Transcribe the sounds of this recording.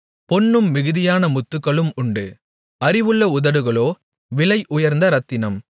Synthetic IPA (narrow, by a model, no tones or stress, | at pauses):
pɔnːɯmːɪɣɯðɪjaːnɐmʊt̪ːɯkːɐɭɯmʊɳɖɯ | ɐɾɪʋɯɭːɐʊðɐɽɯɣɐɭoː | ʋɪlɐɪʔʊjɐɾnd̪ɐɾɐt̪ːɪnɐm